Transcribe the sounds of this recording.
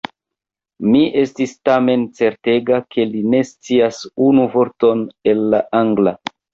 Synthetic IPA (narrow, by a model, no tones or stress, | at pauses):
miʔe̞stistame̞nt͡se̞ɾte̞ɡakʰe̞line̞st͡siasunuvo̞ɾto̞ne̞lːaʔaŋɡla